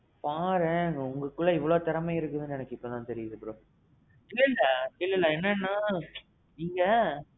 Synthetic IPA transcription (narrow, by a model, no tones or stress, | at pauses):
paːɾẽːŋɡɐʊŋɡɐkːɯɭːɐɪʋːɐɭoːt̪ɐɾɐmɐɪɾɯkːɯðɯnɛnɐkːɯɪpːoːt̪ãːt̪ɛɾɪjɐðɯpɯɾõ | ɪlːɐɪlːɐɪlːɐlːɐɛnːɐnːãː | niːŋɡɐ